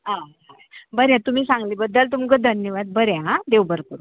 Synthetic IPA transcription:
ɦãɦa | bəɾjãt̪um̤iːsãŋɡliːbəd̪ːəlt̪̬umkəd̪ʱənjəʋad̪̚bəɾjaɦãd̪ewbəɾkəɾu

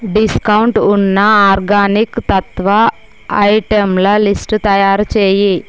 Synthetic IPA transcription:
ɖiskɐwuɳʈunːɐaːɾɡaːnikt̪ɐt̪ʋɐ | ɐjʈemlɐlisʈt̪ɐjaːɾut͡ʃeːji

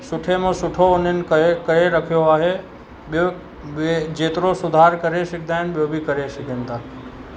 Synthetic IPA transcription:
sʊʈʰemẽsʊʈʰoʊnɪnkəekəɾeɾəkʰjoaːɦe | ɓjo | bed͡ʒeːt̪ɾosʊd̪ʱaːɾkəɾeʃɪk̚ʰd̪aːɦɪnɓjobʱikɐɾeʃɪkʰent̪ak

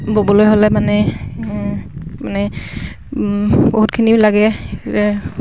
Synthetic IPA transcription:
bobɔlojɦolɛmanɛ | manɛ | boɦut̚kʰinilaɡɛɛ

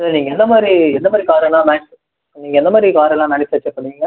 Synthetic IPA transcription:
ɐðɐniːŋɡɐɛnd̪ɐmaːd̪ɾiɛnd̪ɐmaːd̪ɾikaːɾɛlãːnɐnɪt̪ː | niːŋɡɐɛnd̪ɐmaːd̪ɾikaːɾɛlãːnɐnɪt̪ːʋɐt͡ʃːɐpːɐɽiŋɡɐ

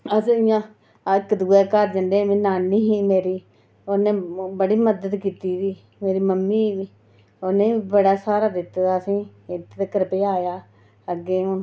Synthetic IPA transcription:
əsĩːɪjãː | ɪkːd̪uːɛːkəɾd͡ʒənd̪eːmẽːnaːnːiːɦiːmeːɾiː | oːnẽːbəɽiːməd̪əd̪kiːt̪iːdiː | meːɾiːməmːiːʋiː | oːnẽːibəɽaːsaːɾaːd̪ɪt̪ːaːəsĩːɪt̪t̪ekəɾpeːaːjaː | əɡeːo

